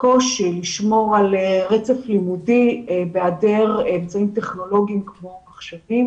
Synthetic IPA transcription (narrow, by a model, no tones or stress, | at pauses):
ko̞ʃiliʃmo̞ʁalʁet͡seflimudibeadeʁemt͡saimteχno̞lo̞ɡiimkmo̞maχʃevim